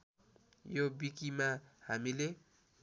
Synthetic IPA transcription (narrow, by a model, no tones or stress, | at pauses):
jobikimahamile